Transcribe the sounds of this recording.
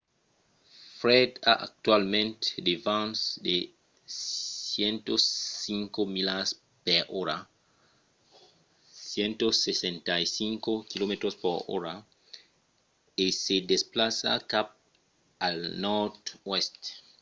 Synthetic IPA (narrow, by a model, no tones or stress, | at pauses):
fɾɛdaʔa̰k̚t̪walmẽnt̪e̥devãnsde | sjɛnt̪osiŋkomilas | pɛɾɔɾa | sjɛnt̪osesɛ̃ntajsiŋkokilomet̪ɾospoɾɔ̰ɾa | esedesplasa̰kap̚ | alnɔtwɛst̪